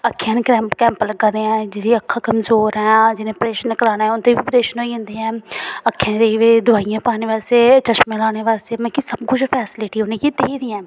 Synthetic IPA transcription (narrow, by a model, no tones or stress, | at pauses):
əkʰːjãːneːkɾɛːmkɛ̃ːmpələɡãːd̪eːɛ̃ːd͡ʒɪdiəkʰːaːkəmzoːɾɛ̃ːd͡ʒɪnẽːpɾeːʃənːkəɾaːnaːɛʊnt̪eːbiːpɾeːʃənɦoːiɦʊ̃nd̪iːɛ̃ːəkʰːãːd̪eʋed̪ʊaːijãːpaːneːʋaːst̪eːt͡ʃəʃmẽlaːɽ̃eːʋaːst̪eːmɛ̃ːkisəbkʊd͡ʒpʰɛːsɪlɪʈiːɦoːneːkit̪eːiːd̪iːɛ̃ː